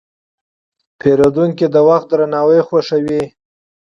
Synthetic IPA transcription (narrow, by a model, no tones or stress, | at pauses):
pʰeɾod̪uŋkid̪əwaxt̪̚d̪ɾanɑwəjxwaʂawi